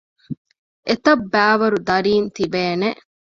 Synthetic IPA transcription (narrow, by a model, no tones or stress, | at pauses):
ʔet̪ɐbːæːʋɐɾud̪ɐɾiːnt̪ibeːneʔ